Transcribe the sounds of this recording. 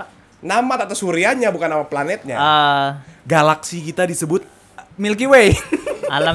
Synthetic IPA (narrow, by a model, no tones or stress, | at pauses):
namat̪at̪asuɾiaɲabukanːamaplanɛt̪̚ɲa̰ə | ɡalaksikit̪adisəbʊt̪̚ | milk̬iwejala